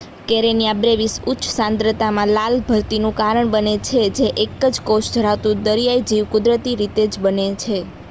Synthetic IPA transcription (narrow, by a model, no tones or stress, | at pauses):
keɾenijabɾeʋisutːʃʰsãnd̪ɾət̪amãlalbʱəɾt̪inũkaɾəɳbənet͡ʃʰed͡ʒeʔekəd͡ʒkoʃd͡ʒʱəɾat̪ũd̪əɾijajd͡ʒiʋkʊd̪ɾət̪iɾit̪ed͡ʒbənet͡ʃʰe